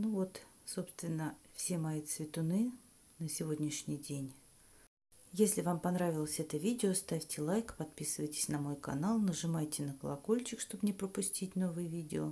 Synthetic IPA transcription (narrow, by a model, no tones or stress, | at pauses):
nuvo̞t̪so̞pst̪vʲɪnːəfsʲemɐit̪svʲɪt̪ʊnɨ | nəsʲɪvo̞dʲnʲɪʂnʲɪjdʲenʲ | jesʲlʲɪvampɐnɾavʲɪlˠəsʲɛt̪əvʲidʲɪost̪afʲtʲɪlˠajkpɐt̪̚pʲisɨvəjtʲɪ̥sʲnɐmo̞jkɐ̰nalˠnəʐɨmajtʲɪnəkəlˠɐko̞lʲt͡ɕɪkʂt̪o̞bnʲɪpɾəpʊsʲtʲitʲno̞vɨjəvʲidʲɪo